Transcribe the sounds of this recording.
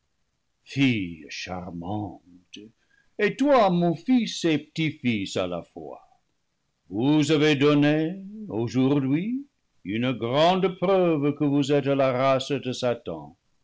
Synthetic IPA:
fijʃa̰ʁmɑ̃t | etwamɔ̃fisepə̥tifisa̰la̰fwa̰ | vuzavedɔneoʒuʁdɥi | ynəɡʁɑ̃d̪əprœvkəvuzɛtalaʁasdəsatɑ̰̃

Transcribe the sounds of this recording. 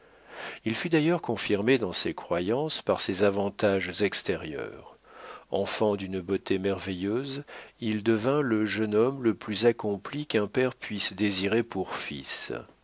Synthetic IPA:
ilfyd̪ajœʁkɔ̃fiʁmed̪ɑ̃sekχwajɑ̃spaʁsezavɑ̃t̪aʒzɛkst̪eʁjœ̰ːʁ | ɑ̰̃fɑ̃d̪ynbot̪emɛʁvɛjøzild̪əvɛ̃ləʒənɔmləplyzakɔ̃plikɛ̃pɛʁpɥisd̪eziʁepuʁfḭs

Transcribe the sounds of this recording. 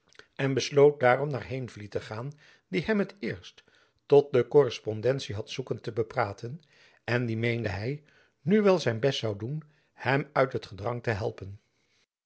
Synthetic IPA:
ʔɛnbəslowt̚daːrɔmnaːɹɦejnvlitəχaːn | diɦɛmɦətɪːɹst | tɔt̚dəkɔrɛspɔndɛntsiɦɑtsukəntəbəpraːtən | ɛndimejndəɦɛj | nyʋɛlˠzɛjnbɛstsɑwdun | hɛmœɥtɦətχədrɑŋtəɦɛ̰lˠpən

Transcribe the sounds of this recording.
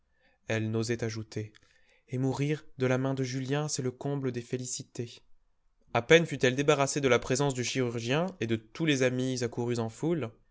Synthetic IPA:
ɛlnozɛt̪aʒut̪ʰeː | muʁiʁd̪əlamɛ̃d̪əʒyljɛ̃sɛləkɔ̃bləd̪efelisit̪e | apɛnfyt̪ɛld̪ebaʁased̪əlapχezɑ̃s̬d̪yʃiʁyʁʒjɛ̃ed̪ət̪ulezamizakuʁyzɑ̃ful

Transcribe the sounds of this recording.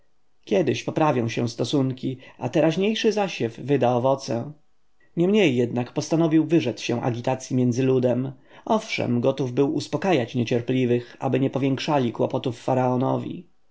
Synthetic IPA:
kʲɛd̪ɘɕpɔpɾavʲjɔ̃w̃ɕɛw̃st̪ɔsuŋkʲiʔat̪ɛɾaʑɲejʂɘzaɕɛvːɘd̪aɔvɔt̪sɛ̰ | ɲɛmɲejːɛd̪nakpɔst̪anɔvʲiwvɘʐɛt̪sɕɛw̃ʔa̰ɡʲit̪at̪sʲjimʲjɛnd̪zɘlud̪ɛm | ʔɔfʂɛ̰mɡɔt̪uvbɘwʔuspɔkajat͡ɕɲɛt͡ɕɛɾplʲivɘxa̰bɘɲɛpɔvʲjɛŋkʂalʲikwɔpɔt̪ufːaɾaɔnɔ̰vʲḭ

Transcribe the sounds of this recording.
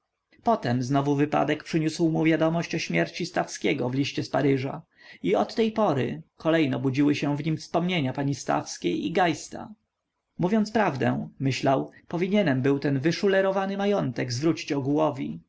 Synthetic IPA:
pɔt̪ɛmznɔvuvɘpa̰d̪ɛkpʂɘɲuswmuvʲjad̪ɔmɔɕt͡ɕɔɕmʲjɛɾt͡ɕist̪afskʲeɡɔvlʲiɕt͡ɕɛspaɾɘʐa | iɔt̪ːɛjpɔɾɘ̰kɔlɛjnɛbud͡ʑiwɘɕɛ̃vɲimfspɔmɲeɲapaɲist̪a̰fskʲejiɡajst̪a̰ | muvʲjɔntspɾavd̪ɛ̰̃mɘɕlawpɔvʲiɲɛnɛmbɘwt̪ɛnvɘʂulɛɾɔvanɘmajɔnt̪ɛɡzvɾut͡ɕi̥t͡ɕɔɡwɔvʲḭ

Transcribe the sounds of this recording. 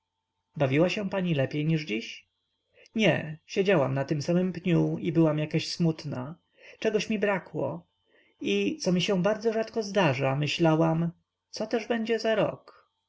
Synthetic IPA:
bavʲiwaɕɛ̃paɲilɛpʲjejɲiʐd͡ʑiɕ | ɲɛ̰ɕed͡ʑawamnat̪ɘmsamɘmpɲuibɘwamjakaɕsmut̪na̰ | t͡ʂɛɡɔɕmʲibɾakwɔ̰ | it̪sɔmʲiɕɛbaɾd̪zɔʐat̪kɔzd̪aʐamɘɕlawam | t̪sɔt̪ɛʐbɛɲd͡ʑɛzaɾɔ̰k

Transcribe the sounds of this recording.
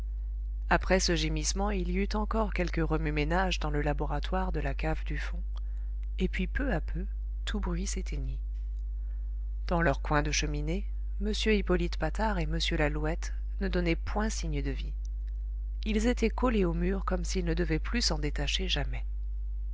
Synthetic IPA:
apχɛsəʒemismɑ̃iliyt̪ɑ̃kɔʁkʲɛlkəʁəmymenaʒd̪ɑ̃ləlabɔʁat̪waʁd̪əlakavd̪yfɔ̃ | epɥipøapʰø | t̪ʰubʁɥiset̪ʰeɲi | d̪̥ɑ̃lœʁkwɛ̃d̪əʃəmine | məsjøipɔlit̪pat̪aʁeməsjølaluɛt̪ | nəd̪ɔnɛpwɛ̃siɲd̪əvi | ilzet̪ɛkɔleomyʁkɔmsilnəd̪əvɛplysɑ̃d̪et̪aʃeʒamɛ

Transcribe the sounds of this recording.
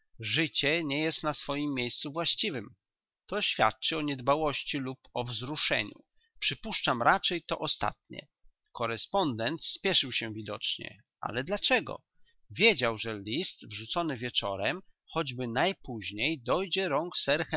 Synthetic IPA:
ʐɘt͡ɕɛɲɛjɛst̪nasfɔjimːjejst̪suvwaɕt͡ɕivɘm | t̪ɔɕfʲja̰t̪̚t͡ʂɘɔɲɛd̪bawɔɕt͡ɕilupɔvzɾuʂɛ̰ɲṵ | pʂɘpuʂt͡ʂamɾʔat͡ʂɛjt̪ɔʔɔst̪a̰t̪̚ɲɛ̰ | kɔɾɛspɔnd̪ɛnt̪spʲjɛʂɘwɕɛvʲid̪ɔt͡ʂɲɛ̰ | ʔa̰lɛd̪lat͡ʂɛɡɔ̰ | vʲjed͡ʑawʐɛlʲist̪vʐut̪sɔnɘvʲjɛt͡ʂɔ̰ɾɛm | xɔd͡ʑbɘnajpuʑɲejd̪ɔjd͡ʑɛɾɔŋksɛɾx

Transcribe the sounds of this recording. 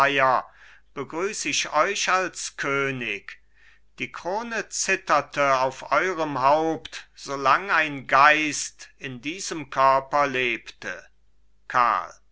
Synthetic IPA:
jɐb̥əɡʁyːsəɪʃɔʏʃalskʰøːnɪk | d̥iːkʁ̥oːnət͡sɪtɐtəaʊfʔɔʏʁəmɦaʊptz̥olaŋaɪnɡaɪstɪndiːzəmkʰœɐpɐleːptə̰ | kʰa̰ɐl

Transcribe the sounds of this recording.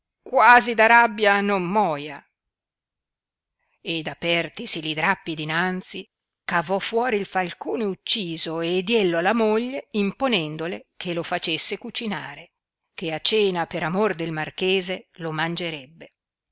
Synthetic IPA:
kwaːzid̪aɾabːjanomːɔːja | ed̪apɛrt̪isilid̪ɾapːid̪inant̪si | kavɔfːwɔːɾiːlfalkoːneut͡ʃːiːzoed̪jɛlːoalːamoʎːeimponɛnd̪olekʰelofat͡ʃesːekut͡ʃinaːɾe | keat͡ʃeːnapeɾamord̪elmarkeːzelomand͡ʒeɾɛbːe

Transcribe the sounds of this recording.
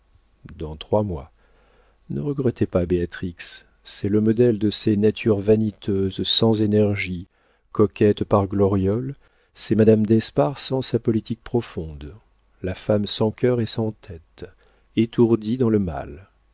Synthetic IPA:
d̪ɑ̃t̪χwamwa | nəʁəɡʁɛt̪epabeat̪χiks | ɛləmɔd̪ɛld̪əsenat̪ʰyʁvanit̪ʰøzsɑ̃zenɛʁʒi | kɔkʲɛt̪paʁɡlɔʁjɔl | sɛmad̪amd̪ɛspaʁsɑ̃sapɔlit̪ik̚pχɔfɔ̃d̪ | lafamsɑ̃kʲœʁɛsɑ̃t̪ʰɛt̪ | et̪uʁd̪id̪ɑ̃ləma̰l

